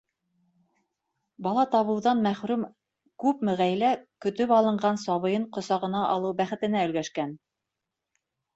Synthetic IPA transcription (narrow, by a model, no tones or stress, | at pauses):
bɑlˠɑt̪ɑβɤ̆wðɑnmæχɾʉm | kʉpmɘ̆ʁæjlækɵ̆t̪ɵpɑlˠɤ̆ɴɢɑnsɑβɤ̆jɤɴqŏsɑʁɤ̆nɑʔɑlˠɤwbæχɘ̆t̪ɘ̆næɵ̆lɡæʃkæn